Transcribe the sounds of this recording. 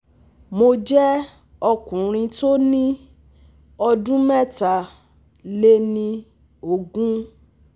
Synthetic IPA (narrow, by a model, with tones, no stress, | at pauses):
mo˧d͡ʒɛ˦ | ɔ˧kũ˨ɾ̃ĩ˧to˦nĩ˦ | ɔ˧dũ˦mɛ̃˦˨ta˨ | le˦nĩ˧ | o˨ɡũ˦